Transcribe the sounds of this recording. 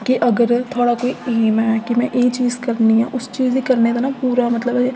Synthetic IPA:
kɪʔəɡəɾt̪ʰoːɽaːkoːiːeːmɛːkɪmɛ̃ːʔeːt͡ʃiːzkəɾniːɦã̰ːʔʊst͡ʃiːzd̪iːkəɾneːd̪aːnaːpuːɾaːmət̪ləbɛ

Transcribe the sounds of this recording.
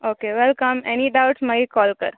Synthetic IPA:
oːkeʋɛlkəmɛniɖaʊʈsməikɔːlkəɾ

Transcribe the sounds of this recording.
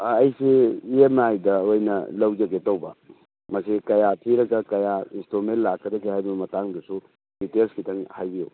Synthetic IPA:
ɐjsiiemajdɐojnɐ̰lɐwd͡ʒɐɡetɐwbɐ | mɐsikɐjatʰiɾɐɡɐkɐjainstumentlakːɐdɐɡihajbɐmɐtaŋdɐsu | ditelskitɐŋhajbijo̰w

